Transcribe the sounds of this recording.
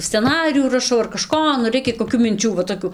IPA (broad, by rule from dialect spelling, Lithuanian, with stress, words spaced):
sʲt͡sʲɛˈnɑːrʲɪjuː rɐˈʃɐʊ ɐr kɐˈʃkoː nʊ ˈrʲɛɪkʲɛ koːˈkʲuː mʲɪnʲˈt͡ʃʲuː ʋɐ toːˈkʲuː